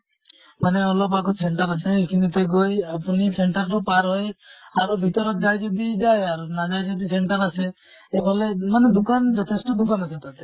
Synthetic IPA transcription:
maneɔlɔpakoseɳʈaɾaseekʰinit̪eɡojapuniseɳʈaɾɾɔpaɾɦɔjaɾubʱit̪ɔɾɔt̪d͡ʒajd͡ʒɔd̪id͡ʒajaɾunad͡ʒajd͡ʒɔd̪iseɳʈaɾase | ebʱɔlemaned̪ukand͡ʒɔt̪ʰesʈɔd̪ukanasʰet̪at̪e

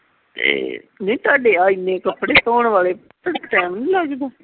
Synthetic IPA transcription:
t̪ḛːnẽĩt̪aːɖeːaːɪnːẽːkəpːɽeːsoːɳʋaːleː | t̪əɽkʈɛ̃ːmnĩːlaɡd̪aː

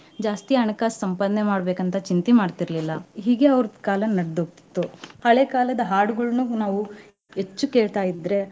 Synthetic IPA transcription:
d͡ʒaːst̪iɐɳɐkaːsɐmpɐd̪ne̞maːɽbe̞ːkɐnt̪ɐt͡ʃint̪imaːɽt̪iɾlilːɐɦiːɡe̞ɐʋɾɐd̪kaːlɐnɐɽd̪oːɡ̚t̪i̥t̪ːuhɐɭekaːlɐd̪ɐɦaːɾɖuɡɐɭnunaːʋu | ɦet͡ʃːukeːɭt̪aːjid̪ɾe̞

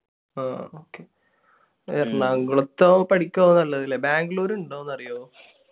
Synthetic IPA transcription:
aːoːkːe | ɐrnaŋɡɐɭot̪ːopɐʈikʲːoonːɐlːɐðilːebaːŋɡloːɾuɳɖoːenːɐrijoː

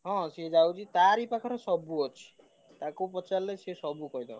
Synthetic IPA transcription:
ɦɔ̃sed͡ʒawt͡ʃʰit̪aɾipakʰɔɾɔsɔbuɔt͡ʃʰi̥ | t̪akupɔt͡ʃalːɔjsesɔbukɔid̪a

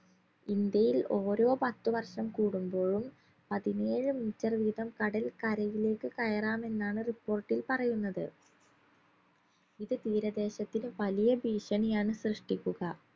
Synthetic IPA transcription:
ind̪jɐjilo̞ːɾo̞ːpɐt̪ːuʋɐrʂɐmkuːɽumbo̞ːɻum | pɐðine̞ːɻɨminitːɐrʋiːd̪ɐmkɐɽɐlkɐɾɐjile̞ːkːɨkɐjɐraːme̞nːaːɳɨripːo̞ːrʈːilpɐrɐjunːɐðɨ | iðɨt̪iːɾɐd̪e̞ːɕɐt̪ːinɨʋɐlijɐbiːʂɐɳijaːɳɨsrɨʂʈikʲːuɣɐ

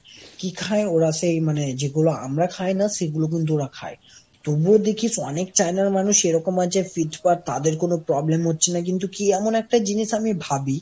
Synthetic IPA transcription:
kikʰaeoɾasejmaned͡ʑeɡuloa̰mɾakʰajnaʃeɡulok̬int̪̬uoɾakʰa̰e | t̪obuɾod̪ekʰisɔnek̚t͡ɕajnaɾmanuʃeɾɔkomad͡ʑaefiʈpaɾt̪ad̪eɾkonopɾɔblemɦotːɕʰenak̬int̪̬ukiɛmonɛk̚ʈad͡ʑiniʃamibʱabi

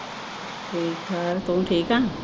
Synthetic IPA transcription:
ʈʰiːkaɾt̪oʈʰiːkã

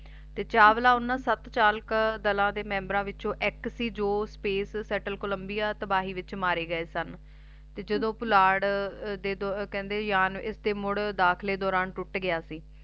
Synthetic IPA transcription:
t̪eːt͡ʃaːʋlaːʊnːãːsət̪t͡ʃaːlkd̪əlãːd̪eːmɛ̃ːmbɾãːʋɪt͡ʃõːʔɪksiːd͡ʒoːspeːsːɛːʈəlkʊləmbɪjaːt̪əbaːɦiːʋɪt͡ʃmaːɾeːɡəeːsən | t̪eːd͡ʒəd̪õːpʊlaːɽd̪eːd̪kɛ̃ːnd̪eːjaːnɪsd̪eːmʊɽd̪aːkʰleːd̪ɔːɾaːnʈʊʈɡɪjaːsiː

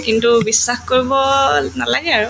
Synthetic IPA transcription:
kintubisːaxkoɹibɔnalaɡɛaɹu

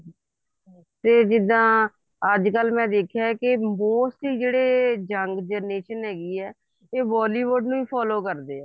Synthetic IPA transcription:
t̪eːd͡ʒɪd̪ãː | əd͡ʒkəlmɛ̃ːd̪eːkʰjaːkɪmoːsʈiːd͡ʒeːɽeːd͡ʒəŋɡd͡ʒəɾneːʃənɦɛːɡiːɛː | eːʋɔːliːʋʊɾɖnũːiːpʰɔːloːkəɾd̪eːɛː

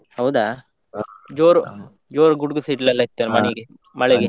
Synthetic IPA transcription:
hɐwd̪aː | d͡ʒoːɾu | d͡ʒoːɾuɡuɽɡusiːʈlɐlːɐit̪ːanmɐiɡe | mɐɭeɡe

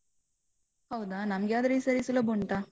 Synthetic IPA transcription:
hɐwd̪anɐmɐɡeaːd̪ɾesɐɾisulːɐbuɳʈa

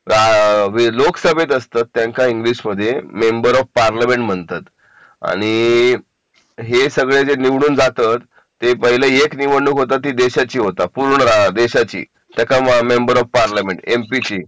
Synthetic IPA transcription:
aʋiloksəbʱet̪əst̪at̪ːjãŋkaiŋɡliɕməd̪ʱːjemembəɾɔfpaɾlamẽɳʈm̤əɳt̪at̪ | a̰ɽ̃i | ɦesəɡɭed͡zeniʋɽ̃uːnd͡zat̪at̪ː | epəɦileekniʋəɳːukɦot̪at̪ːiːd̪eɕat͡ɕiːɦot̪apuɾɳɾad̪eɕat͡ɕḭː | t̪jakamembəɾɔfpaɾljameɳʈempit͡ɕiː

